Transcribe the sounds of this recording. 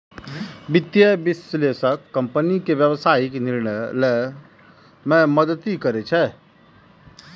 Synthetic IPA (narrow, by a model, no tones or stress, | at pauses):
bit̪jəbisleʃəkːəmpənikeʋjəʋsaikeniɾnələ | mɛ̃məd̪ət̪ikəɾet͡ʃʰɛ